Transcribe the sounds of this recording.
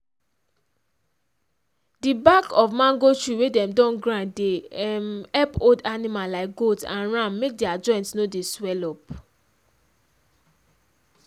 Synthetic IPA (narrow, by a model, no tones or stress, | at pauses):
dibakɔfmãŋɡot͡ʃɹiwedɛ̃mdɔ̃nɡɹãdeɛmɛpodanĩmalaɪk̚ɡodsã̰nɹãmːek̚dɛad͡ʒɔ̃ɪ̃ntnodeswɛlɔp